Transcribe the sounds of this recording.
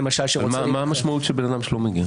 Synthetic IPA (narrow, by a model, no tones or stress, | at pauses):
emaʃalʃeʁomamaamaʃmaut̪ʃebenad̪amʃelomeɡia